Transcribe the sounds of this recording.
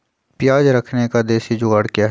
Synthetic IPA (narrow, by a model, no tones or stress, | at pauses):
pjaːd͡ʒɾəkʰnekad̪eːʃid͡ʒoːəɽkjaɦ